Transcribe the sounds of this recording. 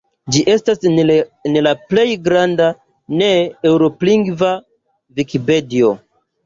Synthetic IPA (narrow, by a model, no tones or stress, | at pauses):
d͡ʒiʔe̞stasenlaple̞jɡɾanda | ne̞ːwɾo̞pliŋɡva | vikipe̞dio̞